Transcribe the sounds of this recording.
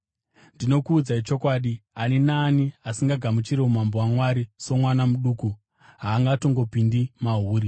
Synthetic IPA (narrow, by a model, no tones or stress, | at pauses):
ndino̞kuːd͡zait͡ʃo̞kwaːɗianenaːniasiŋɡaɡʱamut͡ʃiɾeumambowamwaɾiso̞mwanamuɗuːku | ɦaːŋɡato̞ŋɡo̞pindimaɦuːɾi